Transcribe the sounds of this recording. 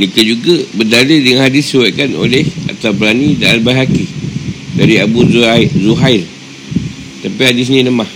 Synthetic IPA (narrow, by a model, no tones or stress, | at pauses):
nikad͡ʒuɡabədalidəŋanhadisiwakano̰lɛha̰t̪awpəlanidaalbaɦakidaɾiabuzuɦail | t̪apiɦadis̬ɲĩnəmah